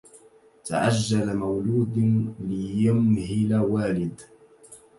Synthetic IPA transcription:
t̪a̰ʕad͡ʒːalamawluːd̪lɪjamhilawaːlɪd̪

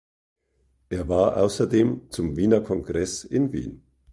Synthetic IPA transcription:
ʔeːɐvaːɐʔa̰ʊsɐdeːmt͡sʊmviːnɐkʰɔŋɡʁɛsɪnvḭːn

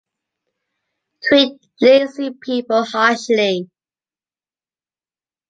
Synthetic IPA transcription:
tʰw̥iˑt̚ | lisipʰiˑpəlˠhɑˑʃli

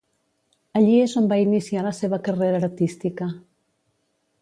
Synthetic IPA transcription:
aʎiezombainisialaseβ̞akəreɾaːɾt̪ist̪ika

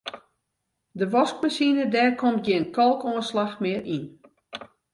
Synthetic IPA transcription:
dəʋɔsk̚masinədɛːrkomt̚ɡɪənkʰɔlˠkoənslaxmɪəɾin

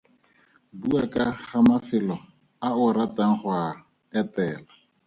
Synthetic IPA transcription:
buakʼaχamafɪlɔ | aʊɾatʼaŋ̩χwa | ɛtɛːla

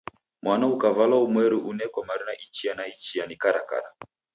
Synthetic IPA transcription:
mwanaukavalaumwɛɾiʔunɛkwamaɾinaʔit͡ʃianait͡ʃijanikaɾaka̰ɾa

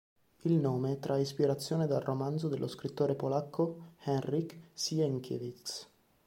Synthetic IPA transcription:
ilnoːmet̪ɾʔaispiɾat̪sːjoːned̪alrʔomand̪zod̪elʔoskɾit̪ːoːɾepolakʰːohɛnriksiɛŋkʰḛvit̪s

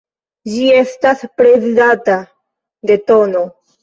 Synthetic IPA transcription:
d͡ʒie̞staspɾe̞zidata | de̞to̞no̞

